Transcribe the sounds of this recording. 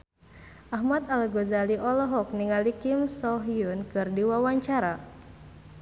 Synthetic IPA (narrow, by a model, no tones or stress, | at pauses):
ʔaɦmat̪alɡozaliʔɔlɔɦɔk̚niŋalikimsɔɦiunkɨrdiwawaɲt͡ʃaɾa